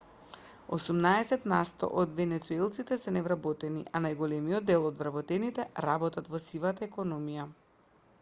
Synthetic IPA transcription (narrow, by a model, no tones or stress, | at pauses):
o̰sumnaɛsɛt̪nast̪ɔ̰ʔɔd̪vɛnɛt̪suɛlˠt̪sit̪ɛsɛnɛvɾabɔt̪ɛniʔanajɡɔlɛmijɔd̪ːɛlˠɔd̪vɾabɔt̪ɛnit̪ɛɾabɔt̪at̪vɔsivat̪aɛkɔnɔmija